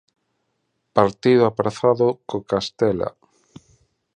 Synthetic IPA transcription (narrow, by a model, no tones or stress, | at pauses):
paɾt̪iðʊapɾaθaðʊkokast̪ɛla̰